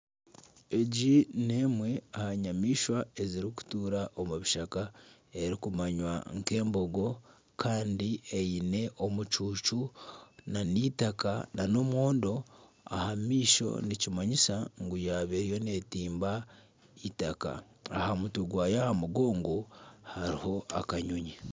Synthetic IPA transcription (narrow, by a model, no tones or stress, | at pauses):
eɟineːmwe̞ahaɲamiːʃwae̞ziɾiku̥tuːɾaʔomuβiʃakae̞ɾikumaɲwaŋke̞ːmbo̞ɡo̞ | kʰaːndieine̞ʔo̞mut͡ʃuːt͡ʃunaniːtakanano̞mwo̞ːndo̞ | a̰hamiːʃo̞̰nicimaɲisaŋɡujaːβeɾjo̞ne̞ːtiːmba | itaka̰ː | hamutuɡwaːjahamuɡo̞ːŋɡo̞haɾiho̞akaɲuɲi